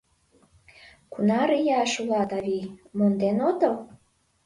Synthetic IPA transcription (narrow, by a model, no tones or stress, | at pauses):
kunɑɾijɑʃulɑt̪ɑβimond̪enot̪əl